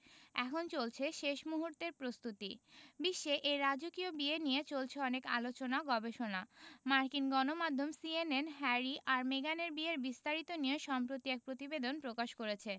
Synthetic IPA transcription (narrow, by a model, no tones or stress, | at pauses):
ɛ̰kʰont͡ɕolt͡ɕʰeʃeʃmuɦuɾt̪eɾpɾost̪ut̪ḭbiʃːeʔeɾad͡ʑokiobienijet͡ɕolt͡ɕʰeɔneka̰lot͡ɕonaɡɔbeʃonamaɾkinɡɔnomad̪ʱːomsienenɦɛɾiʔaɾmeɡaneɾbieɾbist̪aɾit̪onijeʃɔmpɾot̪iɛk̚pɾot̪ibed̪onpɾokaʃkoɾet͡ɕʰe